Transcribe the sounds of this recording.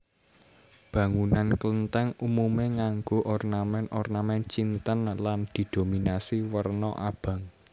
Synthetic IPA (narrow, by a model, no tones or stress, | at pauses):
b̥ä̤ŋunanklənt̪ɛŋumumeŋaŋɡoʔɔrnamɛnʔɔrnamɛnt͡ʃint̪ənland̪̥i̤d̪̥o̤minasiwərnɔ̰ʔa̰b̥ä̤ŋ